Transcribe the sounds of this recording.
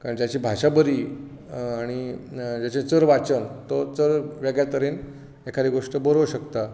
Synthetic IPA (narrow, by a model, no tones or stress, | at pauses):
kaɾəɳt̪jat͡ɕiːbʱaɕabəɾiː | aɽ̃id͡ʑat͡ɕẽt͡səɾʋat͡səŋt̪ɔt͡səɾʋeɡjat̪əɾeːn | ekʰaɾiːɡoʂʈəbəɾəʋɕəkt̪a